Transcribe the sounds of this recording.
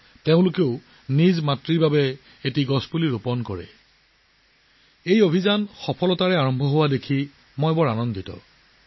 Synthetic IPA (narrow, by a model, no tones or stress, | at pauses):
teʊ̃lʊkeʊ | nizmatɹiɹbabɛ | etiɡɔsbuliɹupɔnkɔɹɛ̰ | ejobʱizanxɔpʰɔlɔtaɹɛaɹɔmbʱɔɦowadekʰi | mɔjbɔɹanɔnditɔ̰